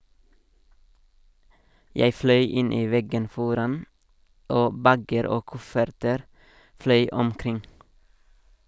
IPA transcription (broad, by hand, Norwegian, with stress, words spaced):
ˈjeɪ ˈflœʏ ˈɪn ˈiː ˈʋɛɡən ˈfɔɾɑn ˈoː ˈbæɡəɾ ˈoː ˈkʊfəɾtəɾ ˈflœʏ ɔmˈkɾɪŋ